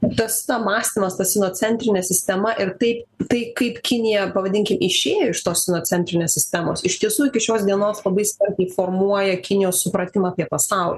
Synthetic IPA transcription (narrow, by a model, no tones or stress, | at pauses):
t̪ɐst̪ɐmɑːsʲt̪ʲɪmɐst̪ɐssʲɪnoːt͡s̪ʲɛnʲt̪ʲɾʲɪnʲɛsʲɪsʲt̪ʲɛmɐʔɪrt̪ɐɪpt̪ɐɪkɐɪpkʲɪnʲɪjɛpɐʋɐd̪ʲɪŋʲkʲɪmʔɪʃʲeːjoːɪʃt̪oːssʲɪnoːt͡s̪ʲɛnʲt̪ʲɾʲɪnʲeːsʲɪsʲt̪ʲɛmo̰ːsɪʃt̪ʲiɛsuːɪkʲɪʃʲoːsd̪ʲiɛnoːslˠɐbɐɪsʲkʲɐrʲt̪ʲɛɪfoːrmuɔjɛkʲɪnʲɪjoːssʊpɾɐt̪ʲɪmɐːpʲiɛpɐsɑʊlʲ